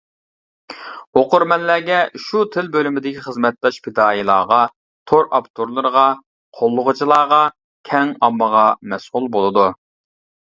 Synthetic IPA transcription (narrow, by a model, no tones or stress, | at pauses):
oqʊɾmɛnlːæːɡʲɛʃut̪ʰɪlbølymɪd̪ɪkʲiχəzmɛt̪̚d̪ɑʃpʰɪd̪ɑːilˠɑ̰ːʁɑ | t̪ʰoɾʔɑpt̪ʰoɾlˠɨɾəʁɑ | qʰolˠːʊʁʊt͡ʃʰilˠɑːʁɑ | kʲʰɛŋɑmːəʁɑmɛsulˠbolˠɨd̪u